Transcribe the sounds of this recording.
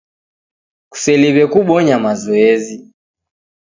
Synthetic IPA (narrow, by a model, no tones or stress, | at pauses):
ku̥sɛliβɛkuɓɔɲamazɔɛzi